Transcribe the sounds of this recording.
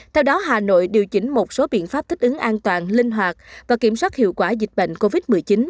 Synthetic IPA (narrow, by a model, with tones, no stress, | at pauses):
t̪ʰɛ˧wɗɔ˨˦ɦaː˨˩no̰˧˨jɗi˨˩əwt͡ɕï˧˩ŋ̟mo˨˩t̚so˨˦ɓḭ˧˨ənfaː˦˥p̚t̪ʰi̟˦˥ʔɨ˨˦ŋʔaː˧nt̪waː˨˩nlï˧ŋ̟ɦwaː˨˩k̚vaː˨˩ki˧˩əmswaː˦˥t̚hḭ˧˨əwkwaː˧˩zi˨˩k̚ɓə̰˧˨jŋ̟ko˧vi˦˥t̚mɨ˨˩əjt͡ɕi˨˦n